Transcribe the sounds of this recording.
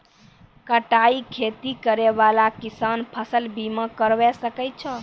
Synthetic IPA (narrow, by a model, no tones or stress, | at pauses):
kəʈaikʰet̪ikəɾeβalakisanpʰəsəlbiməkəɾʋɛsəkət̚t͡ʃʰə